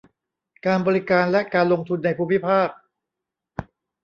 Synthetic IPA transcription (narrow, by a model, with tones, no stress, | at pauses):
kaː˧nbɔː˧ɾi˦˥kaː˧nlɛ˦˥kaː˧nlo˧ŋt̪ʰu˧nːa˧jpʰuː˧mi˦˥pʰaː˥˩k̚